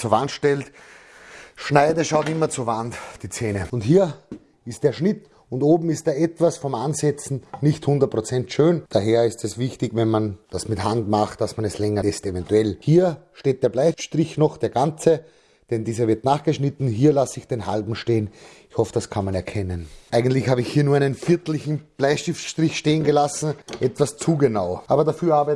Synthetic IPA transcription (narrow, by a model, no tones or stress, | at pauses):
t͡suɐvantʃtɛlt | ʃnaɪdəʃaʊtɪmɐt͡suɐvantd̥iːt͡seːnəʊnthiːɐ | ɪstd̥eːɐʃnɪt | ʊntoːbm̩ɪst̚d̥eːɐɛtv̥asfɔmʔanzɛt͡sn̩nɪçthʊ̃ndɐt̚pʁ̥ot͡sɛntʃøːnd̥aɦeːɐɪstɛsvɪçtɪçvɛnmand̥asmɪthantmaχtːasmanɛslɛŋɐɛstevɛntuɛlhiːɐʃteːt̚d̥eːɐblaɪʃtʁɪçnɔχd̥eːɐɡant͡sə | d̥ɛndiːzɐvɪɐtnaːχɡ̥əʃnɪtn̩ɦiːɐlasɪçd̥enɦa̰lbm̩ʃteːən | ɪçhɔfəd̥askʰanmanɛɐkʰɛnənʔaɪɡəntlɪçhaːbɪçhiːɐnuːɐaɛɪnənfɪɐtl̩ɪçn̩b̥laɪʃtɪfʃtʁ̥ɪçʃteːənɡəlasn̩ʔɛtv̥ast͡suːɡənaʊʔaːbɐdafyːɐaːbɛ